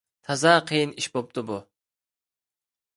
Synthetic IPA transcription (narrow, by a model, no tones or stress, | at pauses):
t̪ʰɑzɑqʰəjɨniʃbop̚t̪ʰɨbu